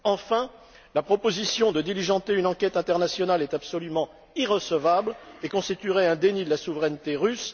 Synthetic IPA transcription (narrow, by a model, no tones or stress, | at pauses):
ɑ̃fɛ̃ | lapχɔpozisjɔ̃d̪əd̪iliʒɑ̃t̪eynɑ̃kɛt̪ɛ̃t̪ɛʁnasjɔnalɛt̪apsɔlymɑ̃ | iʁəsəvablekɔ̃st̪it̪yʁɛɛ̃d̪enid̪əlasuvʁɛnt̪eʁys